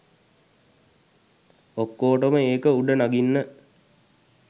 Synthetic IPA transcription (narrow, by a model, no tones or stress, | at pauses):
okːoːʈəməeːkəuɖənaɡinːə